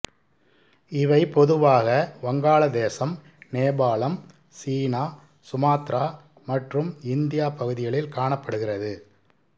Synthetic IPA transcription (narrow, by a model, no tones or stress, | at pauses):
ɪʋɐɪpɔðɯʋaːɣɐʋɐŋɡaːɭɐd̪eːsɐm | neːbaːɭɐm | siːnaː | sʊmaːt̪ɾaː | mɐʈrɯmɪnd̪ɪjaːpːɐɣɯðɪɣɐɭɪlkaːɳɐpːɐɽɯɣɪrɐðɯ